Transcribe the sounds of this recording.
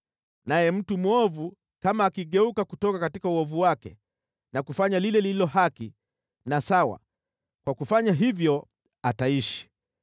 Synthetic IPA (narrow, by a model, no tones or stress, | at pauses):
najɛm̩tumuɔvu | kamaːkiɠɛukakutɔkakatikauɔvuwakɛ̰ | nakufaɲalilɛliilɔɦaki | nasawa̰ | kwakufaɲaɦivjɔ | ataiʃi̥